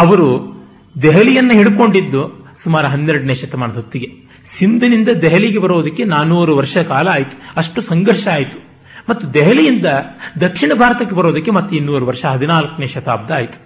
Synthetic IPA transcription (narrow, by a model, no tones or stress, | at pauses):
ɐʋɐɾu | d̪ɛɦɐlijɐnːɐɦiɽuko̞ɳɖid̪ːu | sumaːɾuɦɐnːeɾɖɐneːʃɐt̪ɐmaːnɐd̪ʱot̪ːiɡe | sind̪ʱɐnind̪ɐd̪ɛɦɐliɡebɐɾoːd̪ɐkːe̞naːnuːɾuʋɐɾʂɐɐkaːlɐaːjit̪u̥ɐʂʈusɐŋɡɐɾʂɐaːjit̪u̥ | mɐt̪ːud̪ɛɦɐlijind̪ɐd̪ɐkʂiɳɐbʱaːɾɐt̪ɐkːebɐɾoːd̪ɐkːe̞mɐt̪ːuinːuːɾuʋɐɾʂɐɦɐd̪inaːlɐkɐneːʃɐt̪aːb̚d̪ʱaaːjit̪u̥